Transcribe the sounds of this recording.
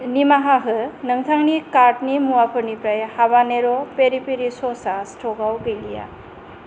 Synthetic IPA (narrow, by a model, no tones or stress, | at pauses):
nimaɦaɦɯnɯŋt̪ʰaŋnikaɾʈnimuapʰɯɾnipɾajhaβaneɾɔpeɾipiɾisɔsastʰɔɡawɡɯjija̰